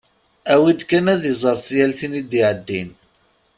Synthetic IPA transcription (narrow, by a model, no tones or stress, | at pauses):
æwid̪kænæðizˤəɾˤθjælθinid̪iʕəd̪ːin